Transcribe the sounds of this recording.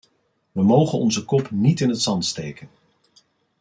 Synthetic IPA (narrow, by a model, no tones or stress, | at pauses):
ʋəmowχənɔnzəkɔpnitɪnətsɑntstejkən